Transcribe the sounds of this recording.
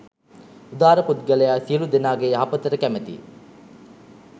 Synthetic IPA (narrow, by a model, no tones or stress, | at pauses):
ud̪aːɾəpud̪ɡɐlejaːsilud̪enaːɡeːɦɐpət̪ɐɾəkæmet̪ḭ